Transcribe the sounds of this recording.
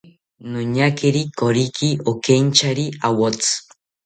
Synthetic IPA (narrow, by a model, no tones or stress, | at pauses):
noɲakeɾikoɾikʰiokeɲt͡ʃʰaɾiawot͡sɨ̥